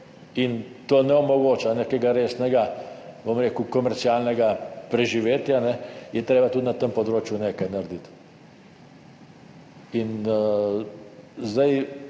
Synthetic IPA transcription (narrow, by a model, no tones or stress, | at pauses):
int̪oːnɛɔmɔɡoːt͡ʃanekɛɡaɾeːsnɛɡabomɾeːkukɔmɛɾt̪sialnɛɡapɾɛʒiʋeːt̪janɛjɛt̪ɾeːbat̪ud̪nat̪əmpɔd̪ɾoːt͡ʃjuneːkajnaɾd̪it̪ | in | zd̪aj